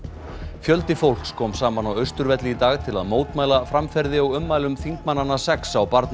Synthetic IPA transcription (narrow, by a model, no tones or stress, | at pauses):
fjœlt̪ɪfowl̥kskʰɔːmsaːmanawœɥst̪ʏɾvɛt̪lɪit̪aːɣt̪ʰɪla̰ðmoːwt̪maːjlafɾamfɛɾðɪawʏmːaːjlʏmθiŋkmanːanːasɛksawpaɾt̪n